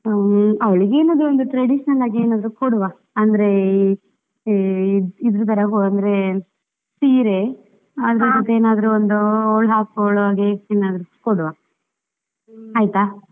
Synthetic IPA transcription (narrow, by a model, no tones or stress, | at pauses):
ɐʋɐɭiɡeːnaːd̪ɾuond̪uʈɾɐɖiʃɐnɐlaːɡieːnaːd̪ɐɾukoɽuʋa | ɐnd̪ɐɾe̞ | id̪ɾut̪ʰɐɾɐɦoɡɐnd̪ɐɾe̞ | siːɾe | ad̪ɾed͡ʒot̪ːeeːnaːd̪ɐɾuond̪uoːɭɦaːkoɭʋaːɡeeːnaːd̪ɐɾukoɽuʋa | aːjt̪aː